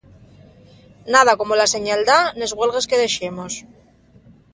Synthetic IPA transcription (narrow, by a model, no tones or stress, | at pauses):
naðako̞molase̞ɲald̪ane̞zɣwe̞lɣe̞ske̞ðe̞ʃe̞mo̞s